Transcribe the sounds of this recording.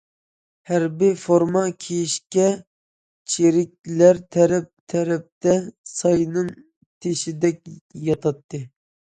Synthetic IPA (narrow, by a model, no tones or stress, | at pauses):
hæɾbifoɾmɑkʲʰejiʃkʲɛ | t͡ʃʰeɾɪk̚ʲlæɾt̪ʰɛɾɛp̚t̪ʰɛɾɛp̚t̪ɛsɑjnɨŋ | t̪ʰeʃid̪ɛk̚ʲjɑt̪ʰɑt̪ːɨ